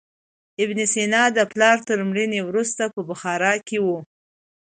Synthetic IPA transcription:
ɪbnesenɑd̪əplɑɾt̪əɾmɽənewɾust̪apəbaxɑɾɑkewu

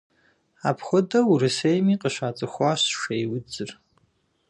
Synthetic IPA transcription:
apʰχʷədɐurɨsejmiqʼəʃʷat͡sʼɨxʷaʃʃejwʊd͡zɨr

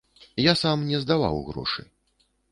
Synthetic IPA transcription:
jasamnʲɛzd̪ava̰wɣɾɔ̰ʂɨ̰

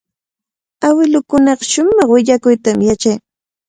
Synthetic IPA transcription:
awɪlʊkʊnɑqɑʃʊmɑχwɪʎakʊjt̪amjat͡ʃaj

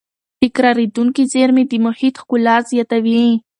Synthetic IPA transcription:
t̪ɪkɾɑɾed̪uŋkizeɾmed̪əmʊhit̪xkʊlɑzjɑt̪awi

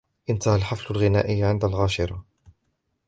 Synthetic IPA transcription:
ʔɪnt̪ahalħaflʊlɣɪnaːʔɪjːʕɪnd̪alɣaːʃɪɾˤɑ

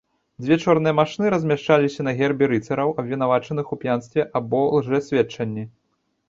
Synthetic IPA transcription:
d͡zʲvʲɛt͡ʂɔrnɨjɛmaʂnɨɾɐzʲmʲaʂt͡ʂalʲisʲɐnɐɣʲɛrbʲiɾɨt̪sɐɾɐwɐbʲvʲinavat͡ʂɐn̪ɨxupʲjanst̪vʲɛʔabɔlˠʐɛsʲvʲɛt͡ʂɐnʲːi

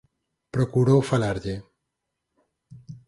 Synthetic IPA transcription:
pɾokuɾowfalaɾʎe

